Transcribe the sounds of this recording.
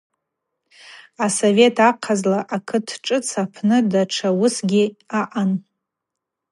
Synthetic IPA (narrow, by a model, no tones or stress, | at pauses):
asove̞tʰaqʰazlaʔakʰɨtʰʈ͡ʂʼɨt͡sʰapʰnɨdaʈ͡ʂʰawʊsɡʲiaʔan